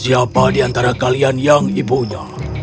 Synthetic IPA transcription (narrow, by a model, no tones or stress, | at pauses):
siapadiant̪aɾakalianjaŋibuɲa